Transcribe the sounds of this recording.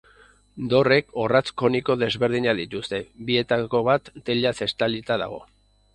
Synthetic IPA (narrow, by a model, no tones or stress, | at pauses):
d̪o̞re̞ko̞rat͡sko̞niko̞ðe̞zβe̞ɾð̞iɲaðit̪ust̪e̞bie̞t̪ako̞βat̪ːe̞ʎase̞st̪alit̪aða̰ɣ̞o̞̰